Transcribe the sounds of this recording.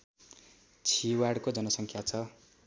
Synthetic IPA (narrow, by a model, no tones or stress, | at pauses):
t͡sʰiwaɽkod͡zʌnʌsʌŋkʰjat͡sʰʌ